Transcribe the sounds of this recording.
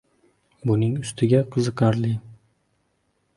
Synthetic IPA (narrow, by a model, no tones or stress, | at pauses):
bʊnɪŋʊst̪ʰɪɡʲaqʰɨzɨqʰɑɾlɪ